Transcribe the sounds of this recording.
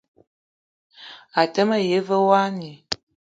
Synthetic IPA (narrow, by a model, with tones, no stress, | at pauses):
a˨tə˦mə˦je˨˦və˦wa˦ni˨